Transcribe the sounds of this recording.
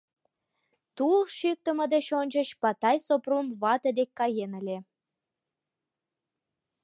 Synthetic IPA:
t̪ulʃyk̚t̪ə̆mə̆d̪eɕonʲt͡ɕət͡ɕpɑt̪ɑjsoprumβɑt̪əd̪ekːɑjenəlʲe

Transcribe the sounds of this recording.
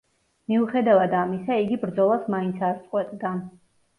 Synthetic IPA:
miuχɛd̪avad̪amisaiɡibɾd̪zɔlˠasmaint̪sʰaɾt̪sʼqʼwɛt̪ʼd̪a

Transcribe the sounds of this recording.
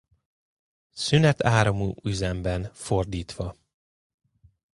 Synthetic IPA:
synɛt̪ʰaːɾɒmuːyzɛmbɛnford̪iːt̪ʋɒ

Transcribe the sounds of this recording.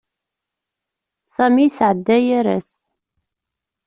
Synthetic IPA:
sæmisʕəd̪ːæjæɾæ̰s

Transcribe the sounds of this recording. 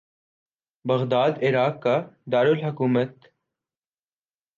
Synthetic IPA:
bɐɣd̪aːd̪ɪɾaːkːad̪aːɾʊlɦʊkuːmət̪

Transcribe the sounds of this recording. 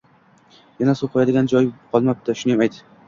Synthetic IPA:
janasoqʰɑjad̪ɪɡʲand͡ʒɒjqʰɒlˠmap̚t̪aʃʊnɪjamajt̪ɪ

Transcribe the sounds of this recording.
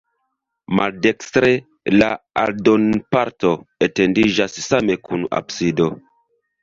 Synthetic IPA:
maldekstɾe | laaldonpaɾto̞etendiʒasːame̞kʰuna̰bsido̞

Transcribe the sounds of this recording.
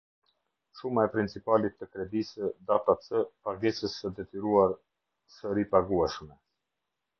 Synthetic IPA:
ʃumaɛpɾint͡sipalit̪ːəkɾɛd̪isəd̪at̪asəpaɡɛsəsːəd̪ɛt̪iɾuaɾ | səɾipaɡuɛʃmɛ

